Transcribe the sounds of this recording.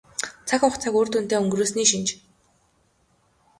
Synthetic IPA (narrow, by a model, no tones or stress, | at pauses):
t͡sʰakʊχt͡sʰakoːr̥t̪uːn̥t̪eːɵŋɡroːsniːʃint͡ɕ